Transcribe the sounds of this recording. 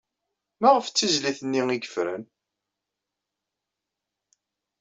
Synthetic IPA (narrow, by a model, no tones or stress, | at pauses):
mæʁəft͡sːizliθənːiiɡəfɾə̰n